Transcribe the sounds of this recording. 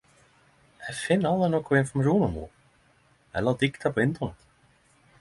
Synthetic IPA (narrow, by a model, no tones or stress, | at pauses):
ɛfɪnːawðanɔkɔenfɾamruːnʏmṵ | ɛ̰nlawt̪ikt̪ʰapɔɪnt̪ɔna